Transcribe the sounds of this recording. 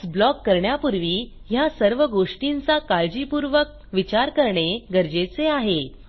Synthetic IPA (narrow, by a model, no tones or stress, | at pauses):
blɔkːəɾɳjapuɾʋiː | jasəɾʋəɡoʂʈint͡sakaɭd͡ʑipuɾʋək̚ʋit͡ɕaɾkəɾɳeɡəɾd͡ʑet͡seaɦe